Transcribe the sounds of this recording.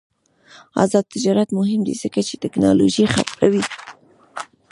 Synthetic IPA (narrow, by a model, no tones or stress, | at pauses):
ɑ̰zɑd̪̚t̪ɪd͡ʒɑɾat̪mʊɦɪmd̪ḭz̥əkat͡ʃet̪ɪknɑ̰loʒixa̰pkawi